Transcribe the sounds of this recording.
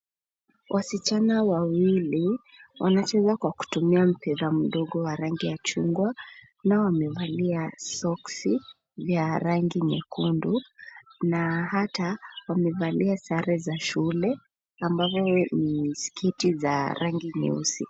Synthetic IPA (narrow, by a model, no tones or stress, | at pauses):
wʔasit͡ʃanawawili | wʔanat͡ʃɛzakwaku̥tumiam̩pɛðam̩ɗɔɠɔwaɾaŋɡijat͡ʃuŋɡwa | nawamɛvaliasɔksi | vjaɾaŋɡiɲɛ̰kundunahatawamɛvaliasaɾɛzaʃulɛ | ambavɔniskʰitizaɾʔaŋɡiɲɛ̰ṵsi